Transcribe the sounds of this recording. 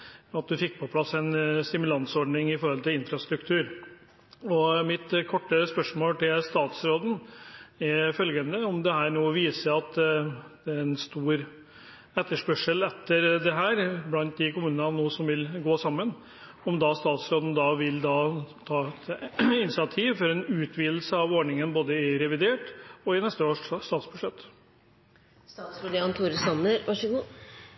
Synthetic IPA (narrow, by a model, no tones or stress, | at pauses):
ɑt̪̚d̪ʉfɪk̚ːpʰɔpʰlɑsːɛnst̪ɪmʉlɑnsɔɖnɪŋɪfɔɾhɔlt̪ɪlɪnfɾɑst̪ɾʉkt̪ʰʉːɾ | ɔmɪt̪kʰɔʈːəspœʂmoːlt̪ʰɪlst̪ɑːt̪sɾoːd̪n̩ɛɾfœlɡənəɔmd̪ɛɦæːɾnoːɔʋiːsəɾɑt̪d̪̥ɛɛnst̪uːɾ | ɛt̪ːəʂpœʂəlɛt̪ːəɾd̪ɛɦæːɾblɑnt̪̚d̪ɪkʊmʉːnənɑnuːsɔmʋɪlɡoːsɑmːən | ɔmd̪ɑst̪ɑːt̪sɾoːd̪n̩d̪ɑːʋɪld̪ɑt̪ʰɑːɛt̪ɪnɪsɑt̪ʰiːʋfɔɾɛnʉːt̪ʰʋiːd̪l̩səɑʋɔːɖɳɪŋənboːd̪əɪɾɛʋɪd̪eːʈɔɪnɛst̪əoːʂːt̪ɑːt̪sbʉʂɭɛt̪ː | st̪ɑːt̪sʋʊɖɪɑnt̪ʰuɾsɑnəɾʋɑʂəɡu